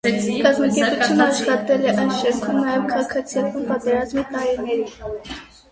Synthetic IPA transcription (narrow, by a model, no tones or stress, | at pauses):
kɑzmɑkɛɾpujunəɑʃχɑt̪ɛlɛʔɑjnʃɛɾkʰumnɑjɛvkʰɑɑkʰɑt͡sʰijɑt̪umpɑt̪ɛɾɑzmit̪ɑɾinɛɾi